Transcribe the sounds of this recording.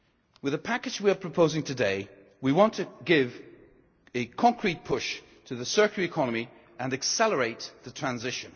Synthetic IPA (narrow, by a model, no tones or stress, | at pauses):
wɨðəpʰakɨd͡ʒwiə˞pʰɹ̥əpʰoʊzɪ̃ŋtʰɨdeɪ | wiwɒ̃ntʰɨɡɪv | ɨkʰɒ̃ŋkʰɹ̥it̚pʰʊʃ | tʰəðəsɜ˞kəlˠɨkʰɒnəmi | ə̃nɨksɛlˠəɹeɪt̪̚ðətʰɹ̥ãnzɪʃɨ̃n